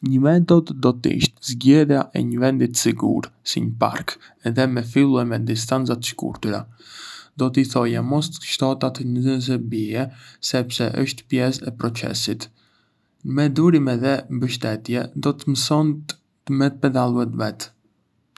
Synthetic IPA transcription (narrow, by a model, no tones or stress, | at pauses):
ɲəmɛt̪ɔd̪d̪ɔt̪ḭʃt̪zɟɛðjaʔɛ̰ɲəvɛnd̪it̪siɡṵɾsḭɲəpa̰ɾk | ɛðɛmɛfilˠuɛmɛd̪is̬t̪ant͡sat̪ʃkṵɾt̪uɾa̰ | d̪ɔt̪əiθɔjamɔst̪ʃt̪ɔt̪at̪əɲəzəns̬ɛɾbiɛsɛpsɛʔə̰ʃt̪pjɛsɛpɾɔt͡sɛ̰sit̪ | mɛd̪uɾimɛðɛmbəʃt̪ɛt̪jɛd̪ɔt̪əməsɔnt̪ | t̪mɛt̪əpɛd̪alˠuɛt̪vɛt̪